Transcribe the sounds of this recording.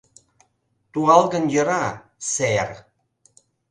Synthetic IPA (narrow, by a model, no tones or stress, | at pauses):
t̪uʁɑlˠɣə̆njə̆ɾɑ | ser